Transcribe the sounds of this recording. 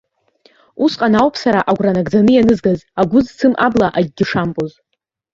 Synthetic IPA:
usqʼanawpʰsaɾaʔaɡʷranaɡd͡zanɨjanɨzɡazaɡʷʊzt͡sʰɨmʔablaʔaɡʲɡʲɪʂampʼoz

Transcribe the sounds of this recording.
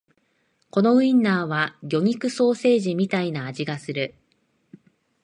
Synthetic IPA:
ko̞no̞ɯ̟ĩnːaːβaɡʲo̞ɲ̟ikɯ̟so̞ːse̞ːʑimʲit̪ainaːʑiɡasɨɾɯ̟

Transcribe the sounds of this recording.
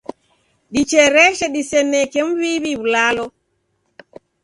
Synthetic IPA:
ɗit͡ʃɛɾɛʃɛɗisɛnːɛkɛmwiːβibulaːlɔ

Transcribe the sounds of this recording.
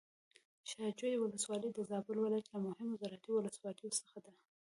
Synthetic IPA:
ʃɑd͡ʒojwʊləswɑləjd̪əzɑbʊlwɪlajat̪lamʊhɪmʊzaɾɑt̪iwʊləswɑləjosə̥xad̪a

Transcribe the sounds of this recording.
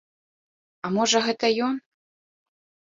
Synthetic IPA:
ɐmɔʐɐɣɛt̪ɐjɔn

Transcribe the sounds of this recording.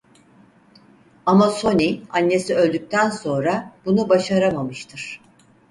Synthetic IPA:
amaso̞nʲianːe̞siø̞lʲd̪yc̚ʲt̪ʰænso̞nɾab̥unubaʃaɾamamɯʃt̪ʰɯɾ̥

